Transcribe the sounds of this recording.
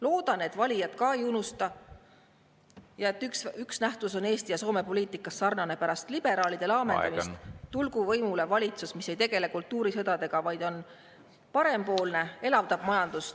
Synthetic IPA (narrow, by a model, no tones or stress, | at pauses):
lo̞ːd̪̥ɑne̞t̪vɑlʲijɑt̪kɑe̞junust̪ɑ | jɑe̞t̪ːˑyksyksnæht̪uso̞neːst̪ijɑso̞ːme̞po̞lʲiːt̪ˑikːˑɑsːɑrnɑne̞pæɾɑst̪lib̥e̞ɾɑːlid̪̥e̞lɑːmend̪ɑ̰mist̪t̪ulɡ̥uvɤjmulevɑlʲit̪susmisːe̞jt̪e̞ɡ̥e̞le̞kult̪ːˑuːɾisɤd̪ɑd̪̥e̞ɡ̥ɑvɑjd̪̥o̞n | pɑɾe̞mpo̞ːlne̞e̞lɑvd̪̥ɑb̥mɑjɑnd̪̥ust̪